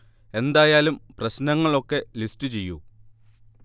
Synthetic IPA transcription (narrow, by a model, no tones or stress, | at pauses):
e̞nd̪aːjaːlumprɐɕnɐŋːɐɭo̞kːe̞listɨt͡ɕe̞jːṵ